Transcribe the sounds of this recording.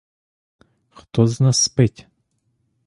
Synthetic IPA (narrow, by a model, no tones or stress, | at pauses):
xt̪ɔznasːpɛtʲ